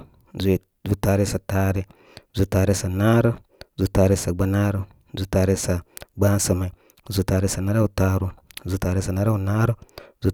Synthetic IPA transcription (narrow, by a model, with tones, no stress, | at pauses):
zu˦e˨ | zu˦ta˨˧ɾi˦sa˨taː˦ɾe˦ | zu˨˦ta˨ɾi˦sa˨na˦ɾə˦ | zu˦ta˨ɾe˦sa˨ɡ͡ba˦na˦ɾə˦ | zu˦ta˨ɾe˦sa˨ɡ͡ba˦n˦sə˨ma˨i˨ | zu˨˦ta˧ɾe˦sa˨na˦ɾa˦u˨ta˦ɾu˦˨˦zu˨˦ta˨ɾe˦sa˨na˦ɾa˦u˨na˦ɾə˦zu˦